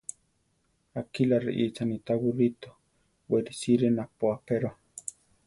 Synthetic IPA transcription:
akilaɾḭʔit͡sanit̪awuɾit̪o̥ | weɾisiɾenapoapeɾa

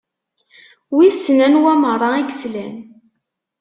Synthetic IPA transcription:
wisːənænwæməɾˤɑiɡslæn

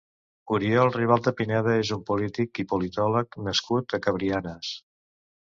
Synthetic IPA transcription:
uɾiɔəlˠriβ̞alˠd̪əpinɛðəezumpulit̪ikipulit̪ɔləknəskut̪əkəβɾianəs

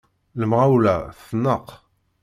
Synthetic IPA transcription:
ləmʁawlæfənːəq

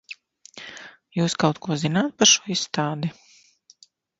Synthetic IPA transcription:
juːskawt̪kuɔzinaːt̪̚paɾʃuɔisːt̪aːd̪i

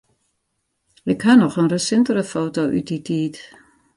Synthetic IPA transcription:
ɪkhanɔxənrəsɪntərəfoːtoʔy̰t̚ditʰiːt

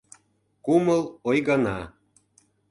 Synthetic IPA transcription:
kuməlojɣɑnɑ

